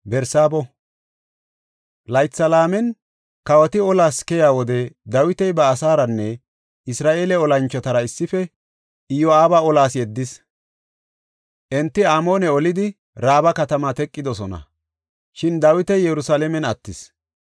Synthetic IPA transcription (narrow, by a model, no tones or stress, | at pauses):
bɛɾsaːbɔ | lɐjt̪t͡sːɐlaːmɛn | kɐwɐt̪ɪɔlaːskɛjaːwɔd̪ɛd̪ɐwɪt̪ɛjbɐːsaːɾɐnːɛ | ɪsɾaːʔeːlɛɔlɐnt͡ʃːɔt̪ɐɾɐɪsːɪfɛ | ɪjɔaːbɐɔlaːsjɛd̪ːɪs | ʔɛnt̪ːɪaːmo̞ːnɛɔlɪd̪ɪ | ɾaːbɐkɐt̪ɐmat̪ɛkʼːɪd̪ɔsɔnɐ̰ | ʃɪnd̪ɐwɪt̪ɛjɛɾʊsalɛmɛnɐt̪ːɪs